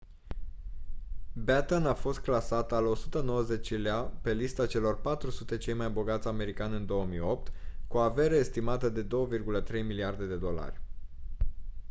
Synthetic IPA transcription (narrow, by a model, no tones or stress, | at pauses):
bet̪ənafo̞st̪̚klasat̪alo̞sut̪əno̞wəze̞t͡ʃileape̞list̪at͡ʃe̞lo̞rpat̪ɾusut̪e̞t͡ʃe̞jmajbo̞ɡat̪sʲame̞ɾikanʲɨnd̪o̞əmijo̞p̚t̪kuave̞ɾəest̪imat̪əd̪e̞d̪o̞wəvirɡulət̪ɾe̞jmiliard̪e̞d̪e̞d̪o̞la̰rʲ